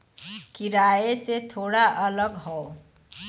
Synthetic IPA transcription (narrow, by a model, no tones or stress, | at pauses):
kiɾaeset̪ʰoːɽaʔələɡɦɔo